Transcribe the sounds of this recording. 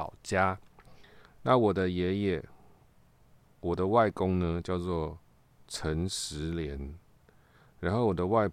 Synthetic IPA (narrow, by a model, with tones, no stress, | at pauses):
ʊt͡ɕja˦ | na˥˨wɔ˨˩d̪ə˦jɛ˨˧˦jɛ˨˩ | wɔ˨˩d̪ə˦wa˥˨ɪkʊ˦ŋnə˧t͡ɕjɑ˥˧ʊt͡swɔ˥˩ | t͡sʰə˨˦ŋʂɻ̩˧˨˦ljɛ˧˦n | ɻa˧˦nxo˥˩ʊwɔ˨˩d̪ə˦wa˥˧ɪ